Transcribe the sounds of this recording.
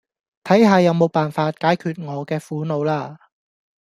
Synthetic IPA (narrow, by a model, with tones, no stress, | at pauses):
t̪ʰɐ˨˥jɦaː˨˧jɐ˨˧wmo˨˧wpaː˨nfaː˧t̚kaː˨˥jkʰyː˨˧t̚ŋɔː˨˧kɛː˧fuː˨˥no˨˧wlaː˧